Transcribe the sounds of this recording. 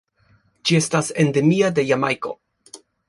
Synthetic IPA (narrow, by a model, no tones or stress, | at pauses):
d͡ʒie̞stasende̞miade̞jamajko̞̰